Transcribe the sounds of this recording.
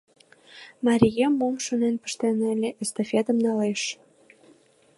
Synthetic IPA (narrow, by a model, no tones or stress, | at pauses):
mɑɾʲijemːomʃonenpə̥ʃt̪enelʲeʔəst̪ofʲet̪ə̆mnɑleʃ